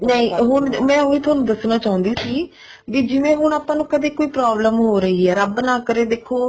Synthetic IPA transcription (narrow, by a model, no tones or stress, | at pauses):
nəĩːɦʊnmɛ̃ːɦoːiːt̪ʰʊaːnũːd̪əsnaːt͡ʃaːʊ̃nd̪iːsiː | ʋid͡ʒɪʋẽːɦʊɳaːpãːnũːkəd̪eːkoːiːpɾaːbləmɦoːɾəɦiːɦɛːɾəbnãːkəɾeːd̪eːkʰːoː